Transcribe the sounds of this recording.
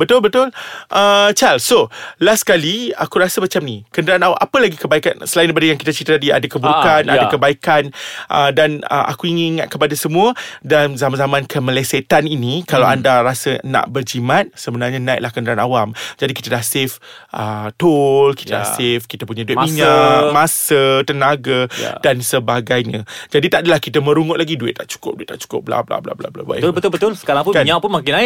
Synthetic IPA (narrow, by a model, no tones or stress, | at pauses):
bət̪ʊlbət̪ʊlʔət͡ʃalsolaskaliakuɾasəmat͡ʃamnikəndəɾanawamʔapəlaɡikəbaika̰nsəlaĩndap̬adajaŋkit̪at͡ʃɾit̪at̪adia̰dakəbukanadakəbaikanʔədanə̰ʔa̰kuiŋiniŋat̪̚kəpadasəmũədanzamanzamãnkʰəmə̃leset̪aninikalawandaɾasəna̰ʔbərd͡ʒimat̪̚səbənarɲanãɪ̰ʔ̚lahkənəɾanawamd͡ʒadiki̥t̪ədahsefʔət̪olki̥t̪ada̰sefkit̪əpuɲaduit̪miɲamãsət̪ənaɡaja̰dansəbaɡajɲãd͡ʒadit̪aʔadalahkit̪əmə̃ɾuŋʊt̪ʔ̚laɡiduɪ̰t̪̚ːaʔt͡ʃu̥kʊp̚duɪt̪̚ːaʔt͡ʃu̥kʊp̚bla̰bla̰bla̰bla̰bla̰ba̰ʊbət̪ʊlbəʊlsə̥kaɾaŋpukaɲapʊnmakɪnaɪ